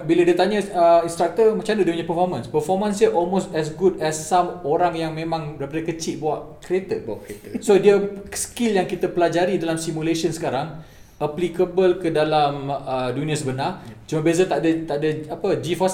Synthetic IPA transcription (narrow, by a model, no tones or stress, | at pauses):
biladiət̪aɲəəĩnst̪ɾak̚t̪əmãt͡ʃandədipuɲapəfɔrmə̃nspərfɔrmãnsiəʔɔlmost̪ɛs̬ɡudɛsːamoɾaŋjaŋmẽmãŋbəɾipadəkət͡ʃiʔ̚buaʔkɾiet̪əsodiəskiljaŋkit̪apəlad͡ʒaɾidalamsimuleʃənsə̥kaɾaŋ | aplikəbəlkədalamədunĩəsəbənart͡ʃumãbez̬at̪adat̪aʔdaapəd͡ʒifas